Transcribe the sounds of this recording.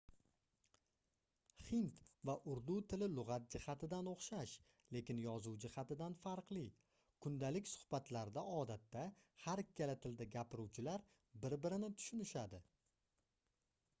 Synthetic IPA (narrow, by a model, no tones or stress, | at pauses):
χɪnt̪vaʔʊɾd̪ut̪ʰɪlɪlʊʁɑt̪̚d͡ʒɪhat̪ʰɪd̪anoχʃaʃ | le̞kʲɪnjɒzuwd͡ʒɪhat̪ɪd̪anfaɾqlˠɪ | kʰʊnd̪alɪkʲsʊ̥hb̥at̪ʰlaɾd̪aɒd̪at̪ːahaɾɪkʲːalat̪ʰɪld̪aɡʲapɪɾuwt͡ʃʰɪlaɾ | bɪɾbɪɾɪnɪt̪ʰʊ̥ʃʊnɪʃad̪ɪ